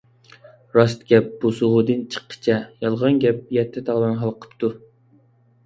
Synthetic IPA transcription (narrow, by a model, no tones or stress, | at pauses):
ɾɑst̪ɡʲɛp̚b̥osuʁʊd̪ɨnt͡ʃʰə̥qːə̥t͡ʃʰɛjɑlˠʁɑnɡʲɛp̚jɛt̪ʰːɛt̪ʰɑʁlˠɑnɦɑlˠqʰə̥pt̪ʰu